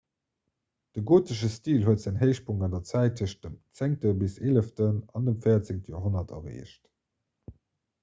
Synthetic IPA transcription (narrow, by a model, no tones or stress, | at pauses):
d̥əɡoːtəʃəstiːlɦuətz̥æŋɦeɪʃpʰuŋɑndɐt͡sæɪt̚ʰəʃd̥əmt͡seŋ̚təbiseːləftənɑ̰ndəmfəɪɐt͡sɪŋ̚təjo̰ːɦonɐtʰɐ̰ʁḛːʃt